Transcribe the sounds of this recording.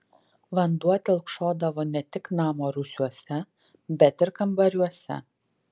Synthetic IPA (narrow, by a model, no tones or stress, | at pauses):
ʋɐnd̪uɔt̪ʲɛlˠkʃoːd̪ɐʋoːnʲɛt̪ʲɪknɑːmoːɾʊsʲuɔsʲɛ | bʲɛt̪ɪɾkɐmbɐɾʲuɔsʲɛ̰